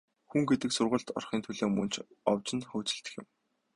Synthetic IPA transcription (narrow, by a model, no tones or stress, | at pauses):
xuŋɡet̪ɘ̆ksʊrʁʊ̆ɮt̪ɔ̰rχiːnt̪ʰɵɮoːmɵnt͡ɕʰ | ɔwt͡ɕɪ̆nχɵːt͡sɘ̆ɬt̪ɘ̥̆xjɪ̆m